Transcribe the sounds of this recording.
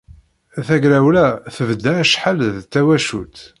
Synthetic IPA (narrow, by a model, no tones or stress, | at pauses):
θæɡɾæwlæθəvd̪ːæʃħalðt̪ːæwæʃut̪